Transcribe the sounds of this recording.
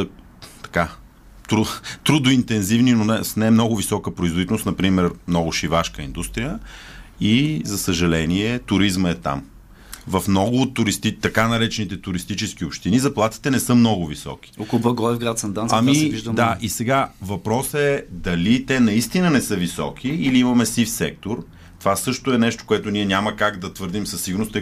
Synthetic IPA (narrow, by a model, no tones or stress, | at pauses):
sə | t̪ɐ̥ka | t̪ɾut̪ɾud̪ʊint̪ɛnzivninonɛsnɛmnɔɡʊvisɔkəpɾʊizvod̪it̪ɛlˠost̪nɐpɾimɛɾmnɔɡʊʃivaʃkəind̪ust̪ɾijə | izɐsəʒɐlɛniɛt̪ʊɾizməɛt̪a̰m | vɐfmnɔɡʊːt̪ːʊɾist̪it̪ɐkanɐɾɛt͡ʃɛnit̪ɛt̪ʊɾist̪it͡ʃɛsk̟iopʃt̪inizɐplˠat̪i̥t̪ɛnɛsɤmnɔɡʊvisɔ̰k̟i̥okbɐɡɔɛvɡɾat̪sɐnd̪anamiviʒd̪əmd̪aisɛɡavɐpɾɔsɛd̪ɐlit̪ɛnɐist̪inənɛsɤvisɔ̰k̟ʰiːliimɐmɛsifsɛk̚t̪oɾ | t̪ovasɤʃt̪ʊɛnɛʃt̪o̥koɛt̪ʊniɛnʲaməkaɡd̪ɐt̪vɤɾd̪imsɐsːiɡʊɾnʊst̪ə